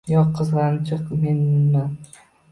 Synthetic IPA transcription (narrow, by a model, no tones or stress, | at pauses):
jɒqʰːɨzʁɑnt͡ʃʰɨqmenːa